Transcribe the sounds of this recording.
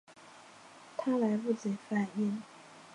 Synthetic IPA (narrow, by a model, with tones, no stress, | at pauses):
t̪ʰa˦˥la˨˥ɪpu˥˨t͡se˨˩fa˨˩ni˥˩˨ŋ